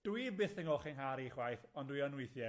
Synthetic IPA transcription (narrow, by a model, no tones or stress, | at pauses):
d̥wibɪθɪŋɔlχɪŋɦaɾiχwajθɔndwiɔnwʊjθjɛ